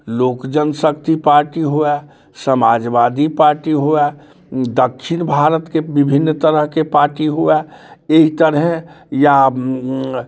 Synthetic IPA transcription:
loːkd͡ʒənsəkt̪ipaːɾʈiɦoɛ | səmaːd͡ʒʋaːd̪ipaːɾʈiɦoɛ | d̪əkʃɪnbʱaːɾət̪kebɪbʱɪnːt̪əɾəɦkepaːɾʈiɦuɛeit̪əɾɦeja

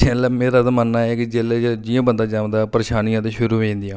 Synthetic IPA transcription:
t͡ʃʰɛ̃ːlameːɾaːt̪amənːaːɛkɪd͡ʒeːleːd͡ʒd͡ʒiãːbənd̪aːd͡ʒaːʋ̪d̪aːpəɾeːʃaːnijãːt̪eːʃʊɾuːɦẽːnd̪ijãː

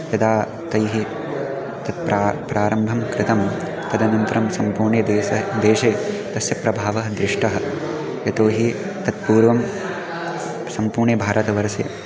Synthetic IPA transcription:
jɐd̪aː | t̪ɐjɦi | t̪ɐt̪̚pɾaːpɾaːɾɐmbʱɐmkɾɪt̪ɐm | t̪ɐd̪ɐnɐnt̪ɐɾɐmsɐmpuːɾɳed̪eːɐd̪eːʃeː | t̪ɐsjɐpɾɐbʱaːʋɐɦɐd̪ɾɪʂʈɐɦɐ̆ | jɐt̪oːɦi | t̪ɐt̪̚puːɾʋɐm | sɐmpuːɾɳɐbʱaːɾɐt̪ɐʋɐɾɐsḛː

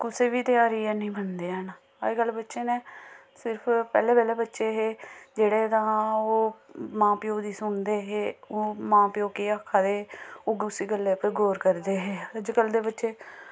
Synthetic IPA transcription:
kʊseːʋiːt̪ɪjaːɾiːɛːnĩːbənd̪eːəːna | ə̰ɡəlːbətːʃeːneː | sɪɾpʰpɛːleːbɛːlɛːbətːʃeːɦeːd͡ʒeːɽeːd̪ãːoːmãːpɪjoːd̪iːsʊɳd̪eːɦeːoːmãːpɪjoːkeːaːkʰːaːd̪eːoːɡʊsiːɡəlːeːpẽːɡoːɾkəɾd̪eːɦeːəd͡ʒkəld̪eːbətːʃeː

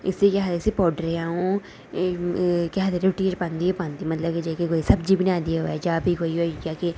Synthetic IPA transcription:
ɪsiːkaːɦd̪ɪsiːpɔːɖəɾeaːũː | kɛɦd̪eɾeʈːiet͡ʃpãːnd̪iːepãːnd̪iːmət̪ləbked͡ʒaːkekoːiːsəbd͡ʒiːbənjaːd̪iːɦo̰ːɛːd͡ʒaːbʱiːkoːiːɦoɛd͡ʒaːke

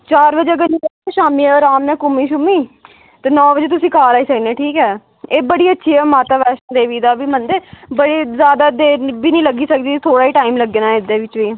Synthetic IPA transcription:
t͡ʃaːɾbəd͡ʒeːɡəniːʃaːmiːɛɔɾaːmnɛ̃ːkʊmːiːʃʊmiː | t̪eːnɔːbəd͡ʒeːt̪ʊsĩːkaːɾaːiːsəknẽːʈʰiːkɛː | eːbəɽiːətːʃʰiːɛːmaːt̪aːʋɛːʃənd̪eːʋiːd̪aːbiːmənd̪eːbəɽeːzjaːd̪aːd̪eːbiːnəĩːləɡiːsək̚d̪iːt̪ʰoːɽaːiːʈaːiːmləɡːeːnaːɪd̪eːʋɪt͡ʃʋiː

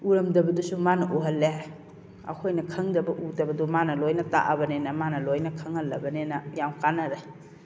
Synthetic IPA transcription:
uɾɐmdɐbɐdusumanɐʔuɦɐlːe | ɐ̰kʰojnɐkʰɐŋdɐbɐʔudɐbɐdumanɐlojnɐta̰ʔɐbɐnenɐmanɐlojnɐkʰɐŋhɐlːɐ̰bɐnenɐjamkanɐɾej

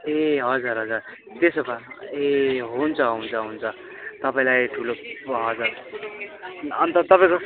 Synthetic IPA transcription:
eɦʌd͡zuɾɦʌd͡zuɾ | t̪esʌpaeɦont͡sʰʌɦount͡sʰʌɦunt͡sʰʌ | t̪ʌpaĩlajʈʰuloɦʌd͡zʌɾ | ʌnt̪ʌt̪ʌpaĩko

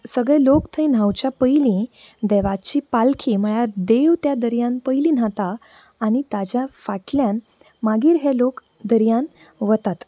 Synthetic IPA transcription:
səɡɭɛlokt̪ʰə̃jn̤awt͡ɕjapəjlĩ | d̪ɛʋat͡ɕiːpalkʰiːm̤əɭjaɾd̪eʋt̪jad̪əɾjãnpəjlĩːn̤at̪aː | ñit̪ad͡ʑjafaʈljãn | maɡiːɾɦelok | d̪əɾijan | ʋət̪at̪

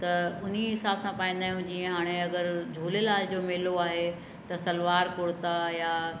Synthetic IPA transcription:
t̪ɐʊn̤iɦɪsaːbsãpaːĩnd̪aːɦjũd͡ʑiːə̃ɦaːɽ̃eɐɡəɾd͡ʑʱuːlelaːld͡ʑoːmɪːloaːɦe | t̪ɐsɐlʋaːɾkʊɽt̪ajaː

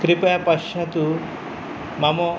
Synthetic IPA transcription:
kɾipɐjɐpɐʃɐt̪u | mɐmo

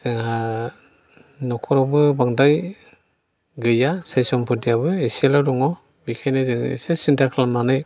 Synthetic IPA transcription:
z̥ɯŋha | nɔkʰɔɾawbɯbaŋdaj | ɡɯjasajsɔmpʰɯtijabɯiselawdɔŋɔ | bikʰajnɯzɯŋḭsesintʰakʰlamanɯj

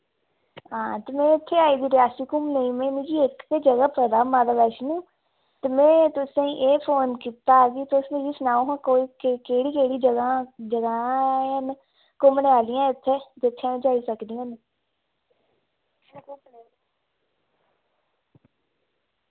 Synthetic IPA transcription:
ãːt̪eːmɛ̃ːɪt̪ʰːeːaːiːd̪iːɾɪjaːsiːkʊmnəĩːmɛ̃ːnĩːd͡ʒiːɪkt̪eːd͡ʒəɡaːpəd̪aːmãːd̪aːʋɛːʃnũː | t̪emɛ̃ːt̪ʊsãiʔeːpʰoːnkiːt̪aːɡiːt̪ʊsnĩd͡ʒiːsnaːoːɦãːkoːiːkkeːɽiːkeːɽiːd͡ʒəɡaːd͡ʒəɡaːn | kʊmneaːlɪjãːɪt̪ʰːeːd̪ɪt̪ʰːãːd͡ʒaːiːsəkd̪iːãːne | kʊmni

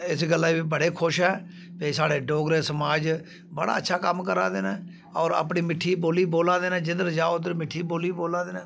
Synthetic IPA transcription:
ɪsɡəlːaːbiːbəɽeːkʰʊʃɦɛː | peːsaːɽeːɖoːɡɾeːsəmaːd͡ʒ | bəɽa̰ːətːʃʰaːkəmkəɾã̰ːd̪eːnɛ̃ː | ɔːɾa̰ːp̬ɳiːmɪʈʰːiːboːliːboːlãːd̪eːnɛ̃ːd͡ʒɪd̪əɾd͡ʒaːod̪əɾmɪʈʰːiːboːliːboːlãːd̪eːnɛ̃ː

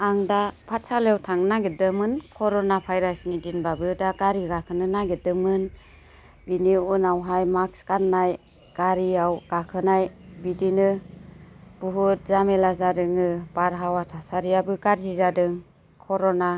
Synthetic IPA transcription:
aŋdapʰatsaljewtʰaŋnaɡedɯmɯnkʰɔɾɔnapʰajɾasnidinbabɯdaɡaɾiɡakʰɯnɯnaɡedɯmɯn | biniunawɦajmakskanːaj | ɡ̥aɾiawɡ̥akʰɯnajbidinɯ | b̥uɦut̚zamelazaɾɯŋɯbaɾɦawatʰasaɾiabɯɡaɾzizadɯŋ | kʰɔɾɔna

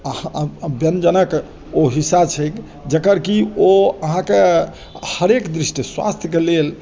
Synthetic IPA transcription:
əhbjənd͡ʒənək | oɦisat͡ʃʰək | d͡ʒəkəɾkioəɦãke | həɾekd̪ɾisʈiswa̰st̪ʰjəkelel

